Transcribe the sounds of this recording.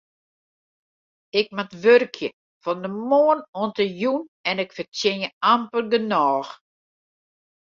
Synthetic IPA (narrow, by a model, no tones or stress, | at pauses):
ɪk̚matʋørkʰjə | fɔndəmoːənoəntəjunɛnɪkfərtjɪnjəampəlɡənɔːx